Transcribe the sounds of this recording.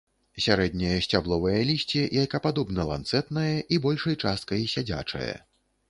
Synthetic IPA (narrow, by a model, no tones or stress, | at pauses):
sʲaɾɛd̪ʲnʲɐjɐsʲt͡sʲablˠɔvɐjɐlʲisʲt͡sʲijajkɐpad̪ɔbnɐlˠa̰nt̪sɛt̪nɐjɐʔibɔlʲʂɐjt͡ʂast̪̚kɐjisʲad͡zʲa̰t͡ʂɐ̰jɐ̰